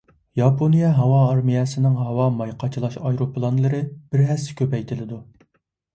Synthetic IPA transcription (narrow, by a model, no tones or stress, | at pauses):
jɑpʰonijɛɦɑwɑːɾmijɛsɪnɪŋɦɑwɑmɑjqʰɑt͡ʃʰilˠɑʃɑjɾoplˠɑnlˠɨɾɨb̥ɪɾɦɛsːɪ̥kʲʰøpɛjt̪ʰɪlɪd̪u